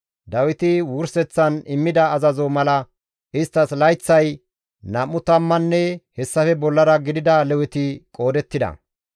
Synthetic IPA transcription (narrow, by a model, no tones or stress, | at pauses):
d̪ɐwɪt̪ɪwʊɾsɛt͡sːɐnɪmːɪd̪ɐːzɐzomɐlɐ | ɪst̪ːɐslɐjt͡sːɐj | nɐmːʊt̪ɐmːɐnːɛhɛsːɐfɛbɔlːɐɾɐɡɪd̪ɪd̪ɐlɛwɪt̪ɪkʼo̞ːd̪ɛt̪ːɪd̪ɐ̰